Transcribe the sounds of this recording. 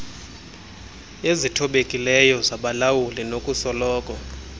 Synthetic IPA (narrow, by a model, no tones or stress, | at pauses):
ezitʰɔɓekʼilɛjɔzaɓalawulinokʼusɔlɔːkʼɔ